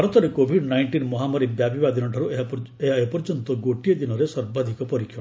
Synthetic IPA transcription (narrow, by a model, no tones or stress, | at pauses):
ɔɾɔt̪ɔɾekobʱiɖnajɳʈinmɔɦamɔɾibjabibad̪inɔʈʰɔɾueɦaeɦapɔɾd͡ʒɔnt̪ɔɡoʈijed̪inɔɾesɔɾbad̪ʱikɔpɔɾikʰjɔ